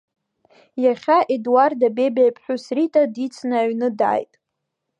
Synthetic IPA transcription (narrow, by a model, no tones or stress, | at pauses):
jaχʲaʔedwardabebejpʼʰħʷᶣusritʼadit͡sʰnaɥnɨda̰ːjtʼ